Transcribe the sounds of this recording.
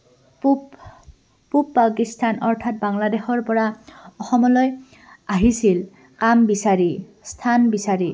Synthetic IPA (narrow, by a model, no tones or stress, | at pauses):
p | pupːakistʰanɔɹtʰat̚baŋladexɔɹpɔɹaɔxɔmɔlɔj | aɦisil | kambisaɹi | stʰanbisaɹi